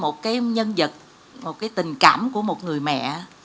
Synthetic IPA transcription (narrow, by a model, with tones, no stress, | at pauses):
mo˨˩t̚kaː˨˦jɲə˧nzə˨˩t̚ | mo˨˩t̚kaː˨˦jt̪ï˨˩ŋ̟kaː˧˩mku˧˩əmo˨˩t̚ŋɨ˨˩əjmɛ̰˧˨